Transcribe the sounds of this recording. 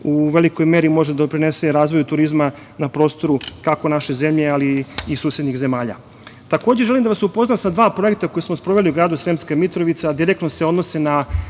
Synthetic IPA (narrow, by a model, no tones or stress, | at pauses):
uʋe̞liko̞jme̞ɾimo̞ʒed̪opɾineseɾaːzʋo̞jut̪uɾizma | napɾo̞ːst̪o̞ɾukako̞naʃeze̞mʎealiːsuːsjed̪nixze̞maːʎa̰ | t̪akoːd͡ʑeʒelimd̪aʋasupo̞znamsad̪ʋaːpɾo̞ek̚t̪ako̞jesmospɾo̞ʋe̞liuɡɾaːd̪usɾemskamit̪ɾo̞ʋit̪sad̪iɾekt̪nose̞o̞d̪nosena